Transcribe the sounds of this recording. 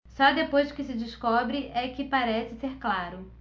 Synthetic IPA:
sɔd̪epojskɪsɪd͡ʒɪskɔbɾɪʔɛkɪpaɾɛsɪseɾklaɾʊ

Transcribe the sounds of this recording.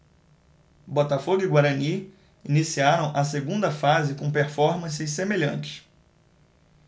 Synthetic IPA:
bɔt̪afoɡʊɪɡwaɾɐni | inisiaɾɐ̃w̃ʔɐseɡũnd̪ɐfazɪkõpeɾfɔɾmɐ̃sɪsemeʎɐ̃nt͡ʃɪ̥

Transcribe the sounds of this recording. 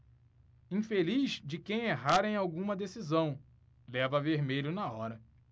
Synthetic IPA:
ĩfelizd͡ʒɪkẽj̃eɦaɾẽj̃awɡũmɐd̪esizɐ̃w̃ | lɛvɐveɾmeʎʊnɐɔɾɐ

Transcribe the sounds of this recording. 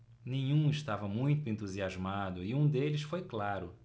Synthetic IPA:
nẽɲ̃ũɪʃt̪avɐmũj̃t̪ʊẽnt̪uziazmad̪ʊɪũd̪elɪsfojklaɾʊ

